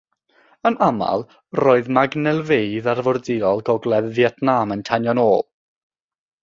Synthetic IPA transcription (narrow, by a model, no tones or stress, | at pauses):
ənʔama̰lˠ | roːɨðmaɡnɛlˠvejðarvɔrdɪɔlˠɡɔɡlˠɛðviɛtʰnaməntʰanjɔnoːlˠ